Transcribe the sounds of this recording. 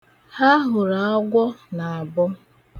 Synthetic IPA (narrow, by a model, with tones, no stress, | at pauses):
ha˦ɦʊ˨ɾa˨ɔ˦ɡʷɔ˦na˨a˨bʊ˦